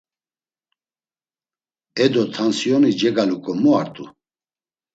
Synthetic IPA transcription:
ɛd̪ɔt̪ʰansiɔnid͡ʒɛɡalukʼɔmuaɾt̪ʼu

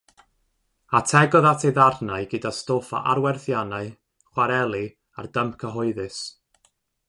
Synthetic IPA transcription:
atʰɛɡɔðatʰejðarnaɨɡədastofa̰ʔaɾwɛrθjanaɨ | χwaɾɛlˠi | a̰rdəmp̚kʰəɦɔɨðɨs

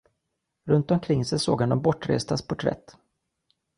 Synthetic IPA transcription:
ɾɵnt̪ɔmkʰɾɪŋːsɛjsoːɡhand̪ɔmbɔʈːɾḛːst̪aspʰɔʊʈʰɾɛ̰t̪ː

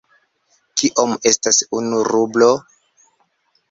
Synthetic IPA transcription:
kiʔome̞stasunuɾublo

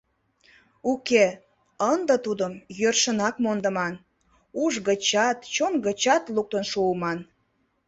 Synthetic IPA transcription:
uke | ənd̪ət̪ud̪əmjørʃənɑkmond̪ə̆mɑn | uʒɣət͡ɕɑt̪t͡ɕonɡət͡ɕɑt̪luk̚t̪ənʃuːmɑn

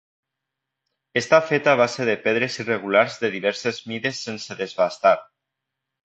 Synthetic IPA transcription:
est̪afet̪aβ̞aseɾðepeðɾezireɣ̞ulaɾzðeðiβɛɾsezmiðesːenseðezβast̪aɾ

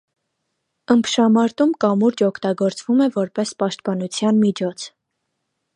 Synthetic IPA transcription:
əmpʰʃɑmɑɾt̪umkɑmuɾd͡ʒɔkʰt̪ɑɡɔɾt͡svumɛvɔɾpɛspɑʃt̪̚pɑnut͡sʰjɑnmit͡ʃʰɔt͡sʰ

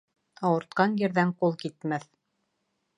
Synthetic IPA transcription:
ɑwɤ̆ɾt̪̚qɑnjɘ̆ɾðæɴqulˠkit̪mæθ

